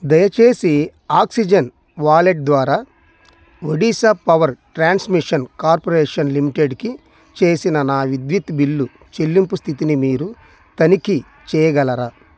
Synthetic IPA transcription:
d̪ɐjɐt͡ʃe̞ːsi | aːksid͡ʒɐn | ʋaːleʈ̚d̪ʋaːɾaː | ʋoɖiːsapɐʋɐɾʈɾaːnsmiʂɐnkaːɾpoɾeːʂɐnlimiʈeɖki | t͡ʃe̞ːsinɐnaːʋid̪ʋit̪bilːu | t͡ʃelːimpust̪ʰit̪inimiːɾu | t̪ɐniki | t͡ʃɛːjɐɡɐlɐɾaː

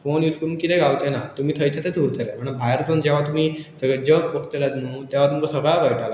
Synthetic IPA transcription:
fonjut͡skəɽunkit̪ɛ̃ɡawt͡senat̪um̤iːt̪ʰəjt͡ɕʰat̪ed̪ʱuɾt̪ʰelem̤əɳɽ̃əbʱajəɾt͡sond͡ʑeʋ̤at̪um̤iːsəɡɭɛd͡ʑək̚pəkʰt̪elat̪nuːt̪jaʋat̪umkasəɡɭaʋəjʈʰala

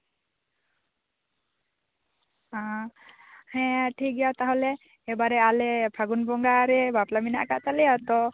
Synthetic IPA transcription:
ã | hɛ̃ʈʰik̚ɡɛjat̪aɦɔlɛː | baɾɛalɛpʰaɡunbɔŋɡaɾɛbaplamina̰ʔkaʔt̪alɛat̪ɔ

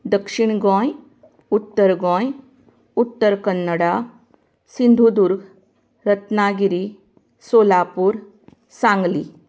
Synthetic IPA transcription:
d̪əkʂiɳ̃ɡɔ̃j | ut̪ːəɾɡɔ̃j | ut̪ːəɾkənːəɽa | sind̪ʱud̪uɾɡʱ | ɾət̪naɡiɾi | soːlapuːɾ | sãŋɡli

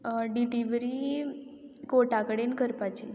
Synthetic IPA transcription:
ɖiliʋɾi | koʈakəɽenkəɾpat͡ʃʰi

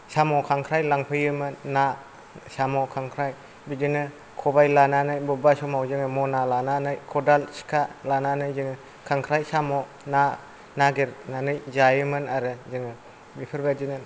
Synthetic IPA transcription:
samɔkʰaŋkʰɾajlaŋpʰɯjɯmɯnːa | samɔkʰaŋkʰɾaj | bid͡ʒinɯ | kʰɔbajlananɯjbɔbasɔmawzɯŋɯmɔnalananɯjkʰɔdalsi̥kʰalananɯjzɯŋɯ | kʰaŋkʰɾajsamɔ | na | naɡeɾnanɯjzajɯmɯnaɾɯzɯŋɯ | bipʰɯɾbad͡ʒinɯn

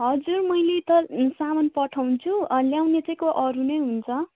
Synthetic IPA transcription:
ɦʌd͡zurmʌjlet̪ʌsamʌnpʌʈʰaw̃t͡sʰuljawnet͡sʌĩkoʔʌɾunʌjɦunt͡sʰʌ

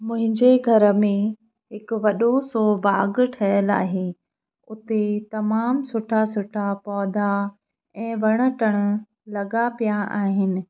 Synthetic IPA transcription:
mʊ̃ɦɪ̃ɲd͡ʑeɡʱɐɾə̆mẽ | ɦɪkʊʋɐɗosobaːɡʈʰɐjəla̰ːɦe | ʊt̪et̪ɐmaːmsʊʈʰasʊʈʰapɔːd̪ʱa | ɛ̃ːʋɐɽ̃ə̆ʈəɽ̃̆ | lɐɠapijaʔaːɦɪnɪ̆

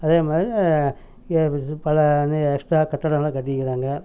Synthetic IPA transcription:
ɐðeːmaːd̪ɾi | pɐlɐneɛksʈɾaːkɐʈːɐɽɐŋɐlaːkɐʈːɪkːɪɾaːŋɡɐ

